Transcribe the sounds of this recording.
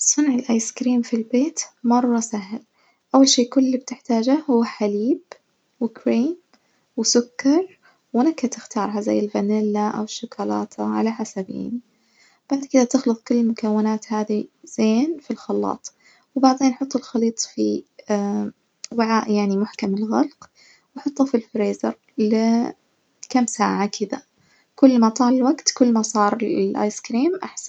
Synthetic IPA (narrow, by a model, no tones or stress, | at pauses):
sˤʊnʕɪlʔaːjskɾiːmfilbeːt̪mɑrˤːɑsaɦl | ʔawːalʃiːkʊlːib̚t̪ɪħt̪aːd͡ʒahʊwːaħaliːb | wɪkɾiːm | wɪsʊkːɑɾˤ | wɪnakːat̪ɪxt̪ɑːɾˤɦaza̰jːɪlbanɪlːaʔa̰wɪʃːʊkaːlɑ̰ːt̪ʰaʕa̰laħasabḭːni | b̥aʕd̪kɪd̪at̪ɪxlɨt̪ˤkʊlːɪlmʊkawːɪnaːt̪haːðiz̥eːnfilxɑlːɑ̰ːt̪ˤ | wbaʕðeːnħʊt̪ˤːɪlxɑliːt̪ˤfi | wɪʕaːʔjaʕnimʊħkamɪlɣalq | wɑħʊt̪ˤːɑfilfɾeːzɑɾˤ | lɪ | kamːsaːʕakʰɪða | kʊlːmat̪ˤɑːlɪlwaɡt̪kʊlːmasˤɑːɾˤlʔa̰ːjskɾiːmʔa̰ħsan